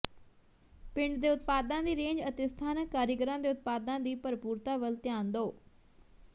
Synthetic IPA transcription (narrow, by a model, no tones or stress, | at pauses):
pɪɳɖd̪eːʊt̪̚paːd̪ãːd̪iːɾẽːɲd͡ʒət̪est̪ʰaːnəkːaːɾjəɡəɾãːd̪eːʊt̪̚paːd̪ãːd̪iːpəɾpuːɾt̪aːʋəlt̪jaːnd̪oː